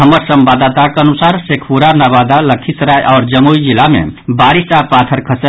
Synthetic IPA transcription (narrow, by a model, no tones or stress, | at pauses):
ɦəməɾsəmbad̪at̪akeənusaːɾsekʰpuɾanabaːd̪aləkʰit̪ɾajʔɔːɾd͡ʒəmuid͡ʒilamḛ̃baːɾisʈapaːt̪ʰəɾkʰəsə